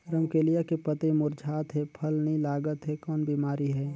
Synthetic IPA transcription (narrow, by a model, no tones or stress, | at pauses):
ɾəmkeːlijakepət̪ẽmʊɾd͡ʒʱaːt̪ɦɛpʰəlnĩlaːɡət̪ɦɛkɔːnbiːmaːɾiɦɛː